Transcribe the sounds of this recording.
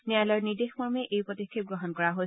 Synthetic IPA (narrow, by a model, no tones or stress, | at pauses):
nɛalɔjɔniɹdexmɔɹmeʔejpɹɔtikʰːip̚ɡɹɔɦɔnkɔɹaɦoj